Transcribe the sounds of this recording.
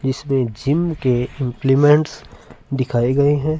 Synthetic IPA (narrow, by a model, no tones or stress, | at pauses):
d͡ʒɪsmẽd͡ʒɪmkeɪ̃mplimɛ̃ɳʈsd̪ɪkʰaːiɡɐiɦɛ̃ː